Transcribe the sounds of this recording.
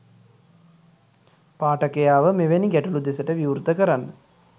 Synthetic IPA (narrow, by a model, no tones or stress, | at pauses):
paːʈəkejaːʋəmeʋeniɡæʈulud̪esəʈəʋiuɾt̪ːəkəɾanːə